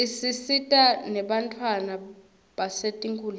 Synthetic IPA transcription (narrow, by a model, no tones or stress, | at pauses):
isisitʼanɛɓantʰʼwana | ɓasetʼiŋkʰʼuːl